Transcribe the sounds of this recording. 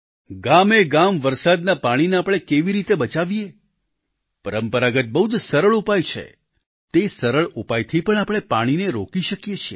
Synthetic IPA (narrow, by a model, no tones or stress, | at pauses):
ɡameɡamʋəɾsad̪napaɽ̃ineapɽ̃ekeʋiɾit̪ebət͡ʃaʋije | pəɾəmpəɾaɡət̪̚bəɦud͡ʒsəɾəɭupajt͡ʃʰḛ | t̪esəɾəɭupajt̪ʰipəɳ̃apɽ̃epaɽ̃ineɾokiʃəkjet͡ʃʰie